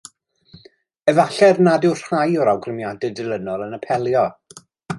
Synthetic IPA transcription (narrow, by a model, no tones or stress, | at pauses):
ɛvaɬɛrnadɪwr̥χajɔɾawɡrɪmjadɛdrɪlˠənɔlˠənəpʰɛlˠjɔ